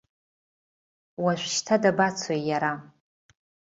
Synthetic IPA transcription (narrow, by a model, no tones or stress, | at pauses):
waʃʷʃtʰadabat͡sʰojjaɾa